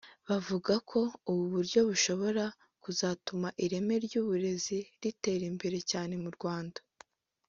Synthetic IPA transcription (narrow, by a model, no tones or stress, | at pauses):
βavuɡakʰo̞uβuβuɾɟo̞βuʃo̞βo̞ɾa | kuzaːtumaʔiɾe̞me̞ɾɟuːβuɾe̞ziɾite̞ɾimbe̞ɾe̞caːne̞muɾɡwaːndḁ